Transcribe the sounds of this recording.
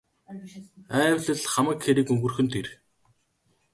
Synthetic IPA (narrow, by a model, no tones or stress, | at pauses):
æːwɮə̆ɮχamə̆kxeɾiːkɵŋɡɵ̆rxɵ̆nt̪ʰer